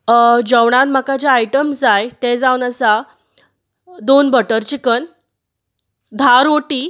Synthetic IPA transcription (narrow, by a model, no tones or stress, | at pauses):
d͡ʑəʋɽãnm̤akad͡ʑaajʈəmsd͡zajt̪ẽd͡zaʋwnəsa | d̪onbəʈəɾt͡ɕikən | d̪ʱaɾoʈiː